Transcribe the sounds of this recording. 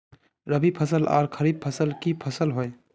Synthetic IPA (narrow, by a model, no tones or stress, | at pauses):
ɾəbʱipʰəsəla̰ːɾkʰəɾib̚pʰəsəlkipʰəsəlɦoj